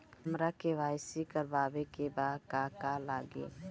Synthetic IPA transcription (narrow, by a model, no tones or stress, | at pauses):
əmɾakeʋaːjsikəɾbaːbekebad̪kakalaɡḛ